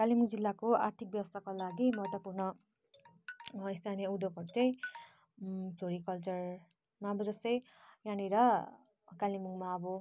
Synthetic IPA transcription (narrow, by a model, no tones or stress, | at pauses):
kalimuŋd͡zilːakoart̪ʰik̚bjʌwʌst̪ʰakolaɡimʌɦʌt̪ːopurnʌ | ist̪ʰanijʌud̪okʌɾot͡saĩ | t͡sʰoɾikʌlt͡sʌr | maʌbʌd͡zʌst̪ʌj̃ | janiɾʌ | kalimuŋmaʌbʌ